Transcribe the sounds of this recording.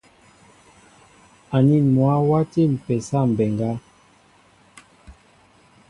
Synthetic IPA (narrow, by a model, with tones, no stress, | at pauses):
a˨ni˦mwa˦wa˦ti˦˨m̩˨pɛ˨sa˦˨m̩˨bɛ˨ŋɡa˦